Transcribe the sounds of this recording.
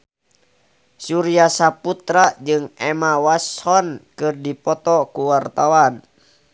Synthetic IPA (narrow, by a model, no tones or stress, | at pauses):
suɾiasaput̪ɾad͡ʒɨŋɛmawashɔnkɨrdipɔt̪ɔkuwart̪awan